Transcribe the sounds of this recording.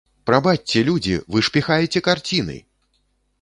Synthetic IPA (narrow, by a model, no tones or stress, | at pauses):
pɾabat̚ʲt͡sːʲɛlʲud͡zʲḭvɨʂpʲixajɛt͡sʲɛkart͡sʲinɨ̰